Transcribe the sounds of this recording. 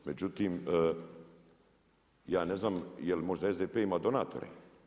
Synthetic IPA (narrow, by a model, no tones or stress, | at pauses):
med͡ʑut̪iːmə | jaːne̞znaːmjelmo̞ʒd̪aezd̪eːpeːimaːd̪o̞na̰ːt̪o̞̰ɾḛ